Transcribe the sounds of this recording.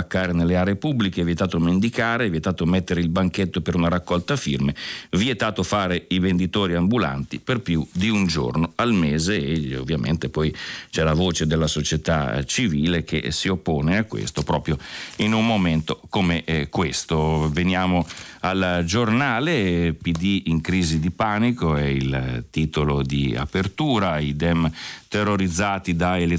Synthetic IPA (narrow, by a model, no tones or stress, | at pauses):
akːaːɾenelːeaːɾeːpubːlikeviet̪aːt̪omend̪ikaːɾeviet̪aːt̪omet̪ːeɾeilbaŋket̪ːopeɾunaɾakːɔlt̪afḭrmeviet̪aːt̪ofaːɾeivend̪it̪oːɾiambula̰nt̪iperpjud̪iund͡ʒo̰rnoalmeːzeːo̰vːjamʔḛnt̪epɔjt͡ʃɛlavoːt͡ʃed̪elːasot͡ʃet̪a̰t͡ʃiviːlek̟ḛsiopːoːneakːwḛst̪opɾɔːpɾjoinumːoment̪okomekwest̪ovenjaːmoald͡ʒornaːlepid̪iiŋkɾiːzid̪ipaːnikoɛilt̪iːt̪olod̪ia̰pert̪uːɾaid̪ɛmt̪erːoɾid̪zːaːt̪id̪aele